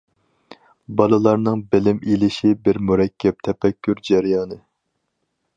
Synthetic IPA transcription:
bɑlˠɨlˠɑɾnɨŋbɪlɪmilɪʃibɪɾmuɾɛkʲʰːɛp̚t̪ʰɛpʰɛkʲʰːyɾd͡ʒæɾjɑːnɨ

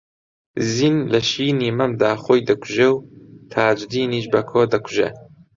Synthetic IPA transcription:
zinlɐʃiːniːmɐmd̪aːxoːjd̪ɐkʰu̥ʒewt̪ʰaːd͡ʒd̪iːniːʃbɐkʰoːd̪ɐkʰu̥ʒḛ

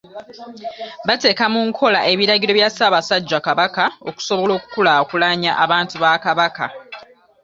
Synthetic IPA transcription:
βate̞ːkamuŋkʰo̞laʔe̞βiɾaɡɟilo̞βjasaːβasaɟːakaβakao̞̰ku̥so̞βo̞lo̞ːku̥kulakulaɲa̰ʔaβaːntuβakaβaka

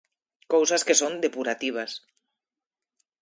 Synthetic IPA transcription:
kowsaskesond̪epuɾat̪iβ̞as

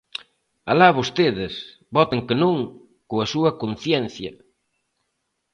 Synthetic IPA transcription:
alaβost̪eðɪs | bɔt̪eŋkenõŋ | koɐsuɐkon̟θjɛnθjɐ

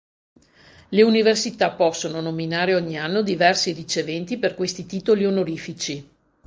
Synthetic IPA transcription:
leuniversit̪apɔsːononominaːɾeɔɲːianːod̪ivɛrsirit͡ʃevɛnt̪iperkwest̪it̪iːt̪olionoɾiːfit͡ʃi

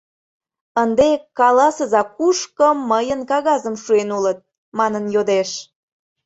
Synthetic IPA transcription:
ənd̪ekɑlɑsəzɑkuʃkəmːəjənkɑɣɑzəmʃuenulət̪̚ | mɑnənjod̪eʃ

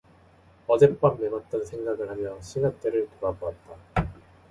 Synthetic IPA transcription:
ʌd͡ʑe̞p͈amnemat̚t͈ʌnsʰe̞ŋɡaɡɯɭhamjʌɕʰinak̚t͈eɾɯɭtuɾaboat̚t͈a

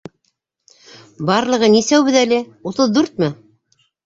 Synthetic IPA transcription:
bɑɾlˠɤ̆ʁɤnisæwbɘðælɘ | ut̪ɤðːʉɾt̪̚mɘ

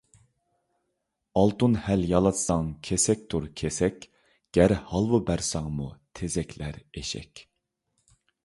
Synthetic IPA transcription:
ɑlˠt̪unhæljɑlˠɑt̪sɑŋkʲʰesɛk̚ʲt̪ʰuɾkʲʰesɛkʲ | ɡ̥ʲæɾhɑlˠwubæɾsɑŋmut̪ʰezɛkʲʰlæɾeʃɛ̰kʲ

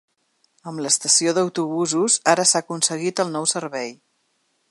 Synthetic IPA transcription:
əmləst̪əsioðəwt̪uβ̞uzuzaɾəsakunsəɣit̪əlˠnɔwsəɾβɛj

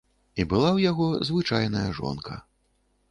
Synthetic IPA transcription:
ibɨlˠawjaɣɔzvɨt͡ʂajnɐjɐʐɔ̰nkʰɐ̰

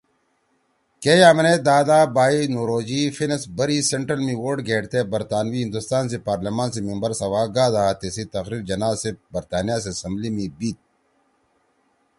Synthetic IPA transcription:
keːjaːmɐned̪aːd̪aːbaːinoːɾoːd͡ʑifinɐsbɐɾiseɳʈɾəlmiwoːɾɖɡʱeːʈt̪ebɐɾt̪aːnʋiɦĩnd̪ust̪aːns̬epaːɾlemaːns̬emimbɐɾsɐwaːɡaːd̪aːt̪esit̪ɐxɾiːɾd͡ʑɐnaːzsebɐɾt̪aːnijas̬eɐsɐmblimĩbiːt̪̚

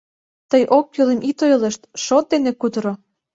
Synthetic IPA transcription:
t̪əjʔok̚ːylemʔit̪ojlə̆ʃt̪ʃot̪̚d̪enekud̪əɾo

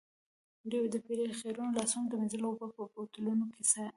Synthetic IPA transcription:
ɾiwod̪əpeɾexeɾunolɑsuŋɡd̪əmenzəlobapəpot̪əlunokesa

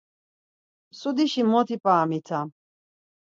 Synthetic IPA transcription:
sud̪iʃimɔt̪ʰipʼaːmit̪ʰa

